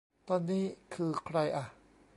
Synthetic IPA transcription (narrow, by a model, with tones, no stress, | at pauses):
t̪ɔː˧nːiː˦˥kʰɯː˧kʰɾa˧jʔa˨˩